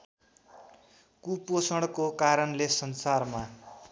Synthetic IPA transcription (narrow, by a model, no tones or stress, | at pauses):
kuposʌɽkokaɾʌnlesʌnsarma